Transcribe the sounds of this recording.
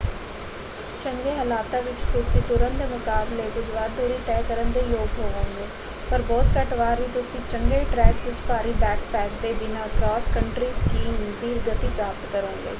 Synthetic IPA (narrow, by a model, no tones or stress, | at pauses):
t͡ʃəŋɡeːɦəlaːt̪ãːʋɪt͡ʃt̪ʊsĩːt̪ʊɾənd̪eːmʊkaːbleːɡʊd͡ʒʋaːd̪uːɾiːt̪ɛːkəɾənd̪eːjoːɡɦoːʋãːɡeː | pəɾbɔːt̪kəʈʋaːɾʋiːt̪ʊsĩːt͡ʃəŋɡeːʈɾɛːksʋɪt͡ʃpaːɾiːbɛːkpɛːk̚d̪eːbɪnaːkɾɔːskəɳʈɾiːskiːmd̪iːɾɡət̪iːpɾaːpt̪kəɾõːɡḛː